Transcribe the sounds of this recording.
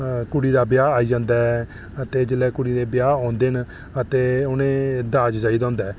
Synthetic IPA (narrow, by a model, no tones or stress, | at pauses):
kʊɽiːd̪aːbɪjaːaːiːd͡ʒãːnd̪aː | ət̪eːd͡ʒəlɛːkʊɽiːd̪eːbjaːɔ̃ːnd̪eːn | ət̪eːʊnẽːd̪aːd͡ʒd͡ʒaːiːd̪ãːnd̪ɛː